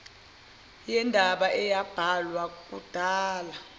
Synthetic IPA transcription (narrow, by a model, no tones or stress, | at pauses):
jɛndʱaɓaʔɛjab̥ʱalwak̬ʼud̥ʱaːla